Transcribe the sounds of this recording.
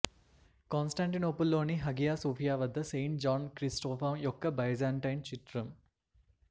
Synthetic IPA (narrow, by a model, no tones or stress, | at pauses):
konsʈaɳʈinoːpulːoːniɦɐɡijaːsoːfijaːʋɐd̪ːɐsejɳʈ̚d͡ʒaːnkɾisʈoːfamjokːɐbɐjzaːɳʈɐjnt͡ʃit̪ɾɐm